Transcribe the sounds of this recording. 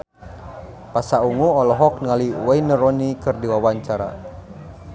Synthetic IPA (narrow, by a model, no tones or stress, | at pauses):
pasauŋuɔlɔɦɔk̚nəŋaliwainəɾɔnikɨrdiwawaɲt͡ʃaɾa̰